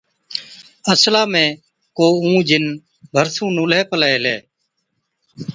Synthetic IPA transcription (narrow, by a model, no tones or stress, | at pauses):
əslaːmẽː | koːũːd͡ʒɪn | bʱəɾsũːnũːlɛːpəlaeːleː